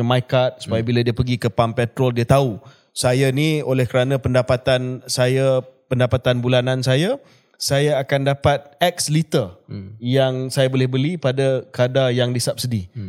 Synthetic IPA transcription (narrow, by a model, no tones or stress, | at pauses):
majkat̪̚su̥pajabiladiəpəɡikəpampɛt̪ɾɔldiət̪au | sajaniolɛhkəɾanãpəndapat̪ansajapəndapat̪anbulanansaja | sajaːkandapat̪̚ɛk̚slit̪əjaŋsajabolɪhbəlipadakadajaŋdisap̚sədi